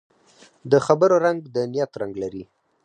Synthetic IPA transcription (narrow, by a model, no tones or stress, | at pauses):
d̪əxabəɾoɾaŋɡd̪ənijat̪ɾaŋɡlaɾi